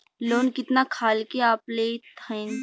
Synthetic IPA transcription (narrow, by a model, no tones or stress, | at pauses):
loːnkɪt̪nakʰaːlkeaːplet̪ʰə̃